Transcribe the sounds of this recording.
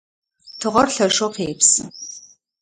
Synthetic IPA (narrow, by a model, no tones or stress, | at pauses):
tʰɨʁʷɔrɬɐʃʂʼoqeːpsɨ